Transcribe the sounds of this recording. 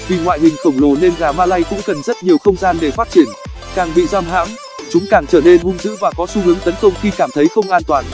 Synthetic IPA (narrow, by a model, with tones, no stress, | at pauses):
vi˨˩ŋwa̰ː˧˨jhï˨˩ŋ̟xə˧˩wŋ͡mlo˨˩ne˧nɣaː˨˩maː˧laː˧jkʊ̰˧˥ŋ͡mkə˨˩nzə˦˥t̚ɲi˨˩əwxə˧wŋ͡mzaː˧nɗe˧˩faː˦˥t̚t͡ɕi˧˩ən | kaː˨˩ŋɓḭ˧˨zaː˧mɦa̰ː˧˥m | t͡ɕʊ˨˦ŋ͡mkaː˨˩ŋt͡ɕəː˧˩ne˧nvʊ˧ŋzɨ̰˧˥vaː˨˩kɔ˨˦su˧hɨ˨˦əŋt̪ə˨˦nkə˧wŋ͡mxi˧kaː˧˩mt̪ʰə˨˦jxə˧wŋ͡mʔaː˧nt̪waː˨˩n